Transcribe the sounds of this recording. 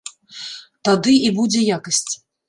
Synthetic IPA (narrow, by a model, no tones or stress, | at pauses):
t̪ad̪ɨibud͡zʲɛjakɐsʲt͡sʲ